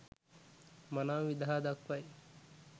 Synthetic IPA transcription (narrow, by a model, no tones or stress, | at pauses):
manaːʋid̪ɦaːd̪akʋɐj